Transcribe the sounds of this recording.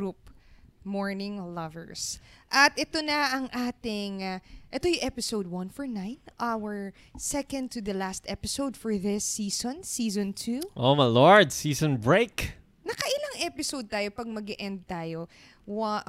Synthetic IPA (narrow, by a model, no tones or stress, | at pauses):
ɡɹup̚mɔɹnɪ̃ŋlɐvɛ̰ɹsʔɐt̪ɛt̪onɐʔɐŋʔaːt̪ɪŋaʔɛt̪ojʊʔɛpɪsowd̪̚wɐ̃nfɔɹnãɪnʔawəɹ | sɛkɐ̃n̚t̪ʰːuðɐlast̪ʔɛpɪsowd̪fɔɹðɪsːiːsɔ̃nsiːzɔ̃nt̪ʰuʔomalɔɹd̪siːsɔ̃nbɹeɪk | nɐkɐʔɪlaŋʔɛpɪsowd̪̚t̪aːjopɐɡ̚mɐɡɛʔɛ̃nd̪̚t̪aːjo | wa